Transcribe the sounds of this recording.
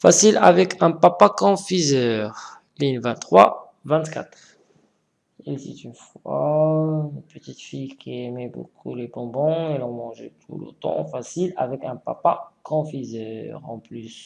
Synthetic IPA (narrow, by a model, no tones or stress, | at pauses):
fasila̰vɛkʰɛ̃papakɑ̃fizœːʁ | linvɛ̃t̪ːχwa̰ | vɛ̃t̪kat̪χ | ɛlsɛ̰t̪ynfwa | ynpət̪it̪fijkʰiɛmɛbo̰kʰṵlebɔ̃bɔ̃ɛlɔ̃mɑ̃ʒɛ̰t̪ʰṵlo̰t̪ɑ̰̃fasila̰vɛkɛ̃papakʰɑ̃fizœʁɑ̰̃plys